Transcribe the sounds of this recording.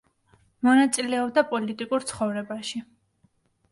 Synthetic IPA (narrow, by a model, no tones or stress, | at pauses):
mɔnat̪sʼilɛɔbd̪apʼɔlit̪ʼikʼuɾt̪sʰχɔvɾɛbaʃi